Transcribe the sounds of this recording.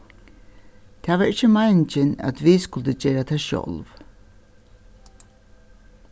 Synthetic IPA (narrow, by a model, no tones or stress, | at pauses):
t̪ʰaːʋaɹɪt͡ʃːəmajnt͡ʃɪna̰t̪viskʊlt̪əd͡ʒeːɹat̪ʰaːʃɔ̰lv